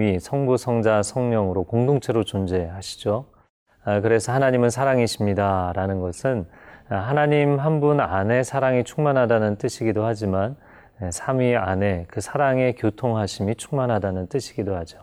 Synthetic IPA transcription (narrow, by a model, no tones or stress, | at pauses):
isʰʌŋbusʰʌŋd͡ʑasʰʌŋɲʌŋɯɾokoŋdoŋt͡ɕʰe̞ɾot͡ɕond͡ʑe̞haɕʰi̥d͡ʑo | kɯɾe̞sʰʌhanaɲimɯnsʰaɾaŋiɕʰimɲidaɾanɯnɡʌsʰɯnɦanaɲimɦanbunane̞sʰaɾaŋit͡ɕʰuŋmanɦadanɯnt͈ɯɕʰiɡidohad͡ʑiman | esʰamɥiane̞kɯsʰaɾaŋe̞kjotʰoŋɦaɕʰimit͡ɕʰu̥ŋmanɦadanɯnt͈ɯɕʰi̥ɡidohad͡ʑo